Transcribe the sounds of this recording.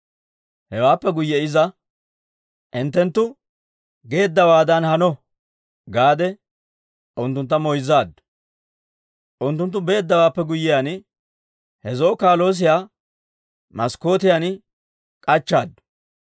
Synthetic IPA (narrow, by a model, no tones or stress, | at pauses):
hɛwaːpːɛɡʊjːɛɪzɐ | ʔɪnt̪ːɛnt̪ːʊ | ɡe̞ːd̪ːɐwaːd̪ɐnhɐnɔ | ɡaːd̪ɛ | ʔʊnt̪ːʊnt̪ːɐmɔjzːaːd̪ːʊ̥ | ʔʊnt̪ːʊnt̪̬ːʊbe̞ːd̪ːɐwaːpːɛɡʊjːɪjan | hɛzoːkaːlo̞ːs̬ɪjaː | mɐsko̞ːt̪ɪjan | kʼɐt͡ʃːaːd̪ːʊ̥